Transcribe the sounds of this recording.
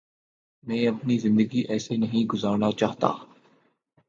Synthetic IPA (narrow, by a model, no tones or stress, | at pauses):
mɛ̃ːɐpnizɪ̃nd̪əɡiʔɛːsenɐɦĩɡʊzaːɾnat͡ʃaːɦt̪a̰ː